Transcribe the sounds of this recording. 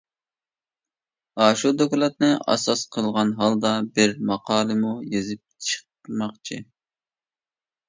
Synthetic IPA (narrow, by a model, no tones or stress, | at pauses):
ɑːʃud̪oklˠɑt̪̚nɨʔɑ̰sɑsqʰəlˠʁɑnɦɑlˠd̪ɑbɪɾmɑqʰɑːlˠɨmujezɪp̚t͡ʃʰə̥q | mɑqt͡ʃʰi